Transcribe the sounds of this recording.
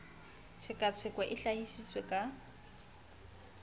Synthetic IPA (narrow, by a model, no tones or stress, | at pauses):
sɪkʼat͡sʰɪkwaʔɪɬahisiswekʼa